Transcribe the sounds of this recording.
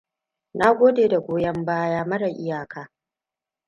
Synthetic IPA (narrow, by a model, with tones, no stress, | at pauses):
na˦ɡʷoː˦deː˨da˨ɡʷoː˦jɐ˦mbaː˦jaː˦mɐ˦ɽa˨ʔɪ˦jaː˨kʰaː˦